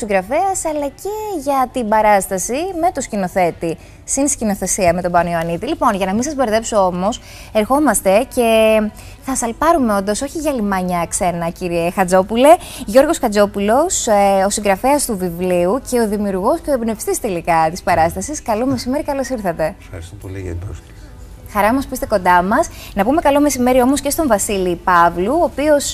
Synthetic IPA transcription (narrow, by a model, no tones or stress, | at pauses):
siŋɡɾɐfeɐsɐlɐce̞ʝɐt̪ibɐɾɐst̪ɐsime̞t̪uscino̞θe̞t̪i | sinscino̞θe̞siɐme̞t̪o̞bɐnioɐnit̪ilipo̞nʝɐnɐmisɐzbe̞ɾðe̞psoo̞mo̞s | e̞ɾxo̞mɐst̪e̞ce̞ | θɐsɐlpɐɾume̞o̞nd̪oso̞çiʝɐlimɐɲɐkse̞nɐciɾiexɐd͡zo̞pule̞ | ʝo̞ɾɣo̞skɐd͡zo̞pulo̞sosiŋɡɾɐfeɐst̪uvivliuce̞o̞ðimiuɾɣo̞scoebnefst̪ist̪e̞likɐt̪ispɐɾɐst̪ɐsiskɐlo̞me̞sime̞ɾikɐlo̞siɾθɐt̪e̞ | ɐ̰ɾst̪oolḭɐ̰o̰s | xɐɾɐmɐspuist̪e̞ko̞nd̪ɐmɐsnɐpume̞kɐlo̞me̞sime̞ɾio̞mo̞sce̞st̪o̞ɱvɐsilipɐvluoːpio̞s